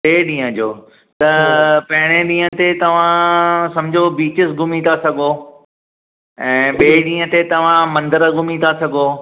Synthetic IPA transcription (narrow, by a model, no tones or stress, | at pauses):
ɓeːɗĩːə̃d͡ʑoː | t̪ɐpɐɦɪɽ̃eɗĩːə̃t̪et̪ɐʋ̤ãsɐ̃md͡ʑʱobiːt͡ɕəsɡʊmit̪asɐɡoː | ɛ̃ːɓeːɗĩːə̃t̪et̪ɐʋ̤ãmɐ̃nd̪əɾəɡʱʊmĩt̪asɐɡʱoː